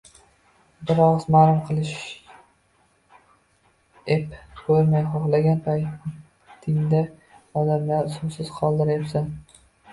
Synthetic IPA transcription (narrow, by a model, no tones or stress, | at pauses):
bɪɾɒʁzmalʊmqʰɨlˠɪʃ | epkʰɵɾmajχoχlˠaɡʲanpʰaj | t̪ʰɪŋd̪a | ɒd̪amlaɾsʊmsɪz̥qʰɒlˠd̪ɪɾepsan